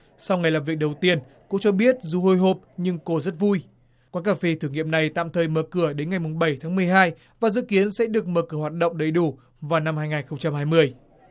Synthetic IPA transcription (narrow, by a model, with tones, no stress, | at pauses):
sa˧wŋa˨˩jlaː˨˩mvi˨˩ək̚ɗə˨˩wt̪i˧ən | ko̰˧˥t͡ɕɔ˧ɓi˦˥ət̚zu˧˦ho˧jɦo˨˩p̚ɲɨ˧ŋko˧zə˦˥t̚vu˧j | kwaː˨˦nkaː˧˩fi˧t̪ʰɨ˧˩ŋḭ˧˨əmna˨˩jt̪a̰ː˧˨mt̪ʰəː˨˩jməː˨kɨ˧˩əɗe˨˦nŋa˨˩jmʊ˨˩ŋ͡mɓə˧˩jt̪ʰaː˨˦ŋmɨ˨˩əjɦaː˧j | vaː˨˩zɨ̰˧˨ki˨˦ənsɛ̰˧˥ɗɨ˨˩ək̚məː˨˩kɨ˧˩əhwaː˨˩t̚ɗə̰˧˨wŋ͡mɗə˨˧˩jɗu˧˩ | vaː˨˩wna˧mhaː˧jŋaː˨˩nxə˧wŋ͡mt͡ɕa˧mhaː˧jmɨ˧əj